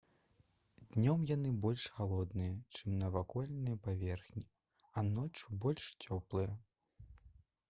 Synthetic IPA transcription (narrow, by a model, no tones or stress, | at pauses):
d̪nʲɔmjan̪ɨbɔlʲʂxalˠɔd̪nɨjɐt͡ʂɨmnɐvakɔlʲnɨjɐpavʲɛrxnʲi | ɐnɔt͡ʂubɔlʲʂt͡sʲɔplˠɨjɐ